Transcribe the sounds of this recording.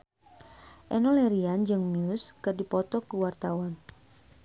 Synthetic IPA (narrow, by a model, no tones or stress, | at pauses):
ʔɛnɔlɛɾiand͡ʒɨŋmiuskɨrdipɔt̪ɔkəwart̪awan